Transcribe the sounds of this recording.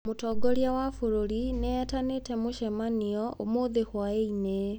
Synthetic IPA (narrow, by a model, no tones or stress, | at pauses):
motɔːɡoɾjawafuɾoɾineɛtanetɛmoʃɛmaniɔʔomoðehwaeine